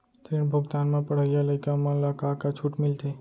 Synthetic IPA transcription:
t̪iɳbʱəɡt̪anmãpəɽ̤əjaləɪkamãlakakat͡ʃʰuʈmɪlt̪e

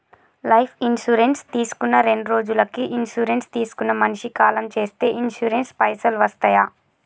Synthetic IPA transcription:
lɐjpʰinʃuːɾenst̪iːsu̥kunːɐɾe̞ɳɖuɾo̞ːd͡ʒulɐkiʔinʃuːɾenst̪iːsu̥kunːɐmɐnʂikaːlɐmt͡ʃe̞ːst̪e̞ːʔinʃuːɾenspɐjsɐlʋɐst̪ɐjaː

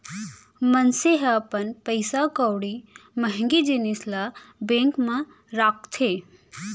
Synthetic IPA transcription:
mənseɦapənpəɪsakɔwɽiməɦŋɡid͡ʒinislabẽːŋkmẽ | ɾaːk̚t̪ʰeː

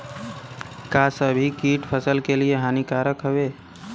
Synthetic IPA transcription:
kasəbʱikiʈpʰəsəlkelieɦanikaɾəkɦəbe

